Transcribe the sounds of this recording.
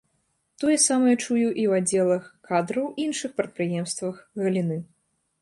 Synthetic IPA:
t̪ɔjɛsamɐjɐt͡ʂujuʔiwad͡zʲːɛlˠɐxkad̪ɾɐwinʂɨxpɾɐt̪̚pɾɨjɛmst̪vɐxɣɐlʲinɨ

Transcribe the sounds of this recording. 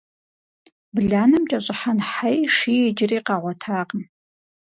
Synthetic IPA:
bɮaːnɨmt͡ʃʼɐɕʼɪħanħajʂiɛd͡ʒɪriːqɑːʁʷɔtʰaːqəm

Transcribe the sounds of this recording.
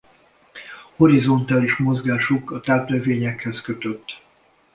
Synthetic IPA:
ho̞ɾizo̞nt̪aːliʃmo̞zɡaːʃukɒt̪aːplɛveːɲɛkhɛskøt̪øt̪ː

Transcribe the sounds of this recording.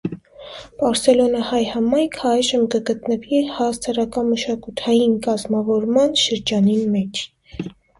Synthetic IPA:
b̥ɑɾsɛlɔnəhɑjhɑmɑjkʰɑjʒəmkəɡət̪nəvihɑst̪ʰɑɾɑkɑməʃɑkut̪ʰɑjinkɑzmɑvɔɾmɑnʃəɾd͡ʒɑnimɛt͡ʃʰ

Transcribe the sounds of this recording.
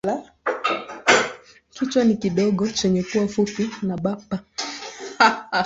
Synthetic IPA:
a | kit͡ʃwanikiɗɔɠɔt͡ʃɛɲɛkuwafupinaɓapa

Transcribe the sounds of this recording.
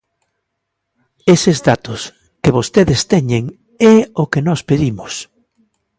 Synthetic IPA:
esezðat̪ʊs | keβost̪eðest̪ɛɲeŋ | ɛokenɔspeðimʊs

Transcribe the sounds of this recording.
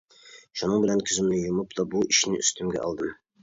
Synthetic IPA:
ʃunɤɴbɘlænkʲʰɵ̆zɘ̆mnɘjŭmɤpd̪ɒbuɪʃnɘ̰ʔɵ̆st̪ɵmɡʲæ̰ʔɒ̰lˠd̪ɤm

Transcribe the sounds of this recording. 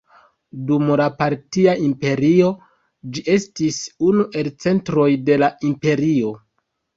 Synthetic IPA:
dumlapaɾtiaimpe̞ɾio̞ | d͡ʒiʔe̞stisunuʔe̞lt͡se̞ntɾo̞jde̞laimpe̞ɾio̞

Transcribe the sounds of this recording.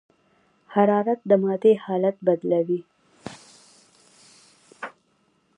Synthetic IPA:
haɾɑɾat̪̚d̪əmɑd̪ehɑlat̪̚bad̪lawi

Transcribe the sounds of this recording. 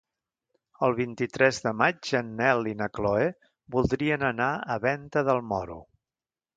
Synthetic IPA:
əlˠβint̪it̪ɾɛzðəmad͡ʒənːɛlinəkloe | bulˠd̪ɾiənənaəβɛnt̪əðəlˠmɔɾṵ

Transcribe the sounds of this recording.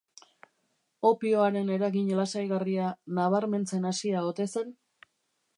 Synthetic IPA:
o̞pioaɾe̞ne̞ɾaɣiɲlasajɣarianaβ̞aɾme̞nt͡se̞nasiao̞t̪e̞se̞n

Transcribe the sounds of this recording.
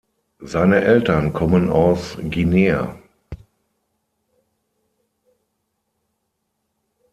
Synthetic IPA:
zaɪnəʔɛltɐnkʰɔməna̰ʊsɡineːa̰

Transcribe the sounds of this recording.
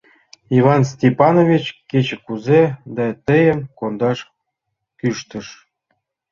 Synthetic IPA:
ivɑnstʲepɑnovʲit͡ɕket͡ɕə̆kuzed̪ɑt̪əjə̆mkond̪ɑʃ | kyʃt̪ə̆ʃ

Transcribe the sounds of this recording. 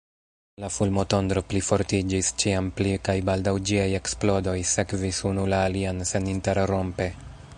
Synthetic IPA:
lafulmo̞to̞nd̪ɾo̞plifo̞ɾtid͡ʒist͡ʃiamplikajbaldawd͡ʒiaje̞ksplo̞do̞jse̞kvisunulaːlianse̞ninte̞ɾɾo̞mpe̞

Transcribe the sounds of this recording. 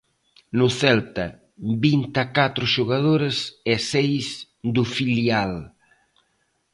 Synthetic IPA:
nʊθɛlt̪ɐ | bint̪akat̪ɾʊʃuɣað̞oɾɐsɛsejs | d̪ʊfiljal

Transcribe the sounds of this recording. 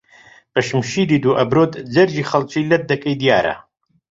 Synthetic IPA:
bɐʃɨmʃiːd̪iːd̪uʔɐbɾoːt̪d͡zɐɾd͡ʒiːxɐlt͡ʃiːlɐt̪̚d̪ɐkɐjd̪jaːɾɐ̰

